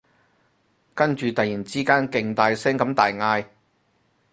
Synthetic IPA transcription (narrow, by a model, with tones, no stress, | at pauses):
kɐ˥nt͡ʃyː˨˧t̪ɐ˨jiː˨˩nt͡siː˥kaː˥nkɪ˨˧ŋt̪aː˧jsɛː˥ŋkɐ˨˥mt̪aː˨jŋaː˧j